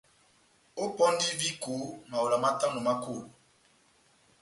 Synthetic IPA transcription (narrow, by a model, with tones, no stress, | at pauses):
o˦pɔ˦n˦di˦vi˦ko˨˦ma˨o˨la˨ma˦ta˦ŋo˨ma˦ko˦˨